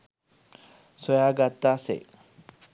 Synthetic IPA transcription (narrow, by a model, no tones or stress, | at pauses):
sojaːɡat̪ːaːsḛ